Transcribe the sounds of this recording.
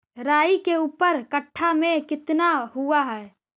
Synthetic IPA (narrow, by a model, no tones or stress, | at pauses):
ɾaːikeuːpəɾkəʈʰːamẽkɪt̪naɦuaɦɛː